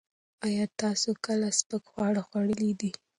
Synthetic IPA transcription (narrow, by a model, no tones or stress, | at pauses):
ɑjɑt̪ɑsokəlaspəkxwɑɽaxwaɽəlid̪i